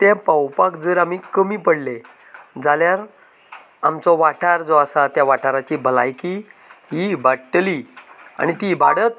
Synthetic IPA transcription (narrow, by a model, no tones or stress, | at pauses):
t̪ãpawpakd͡zəːɾamiːkəmiːpəɽle | d͡zaljaɾ | amt͡sɔʋaʈaɾd͡zɔasat̪jaʋaʈʰaɾat͡ɕiːbʱəlajkiɦibaʈlia̰ñit̪ibaɽət̪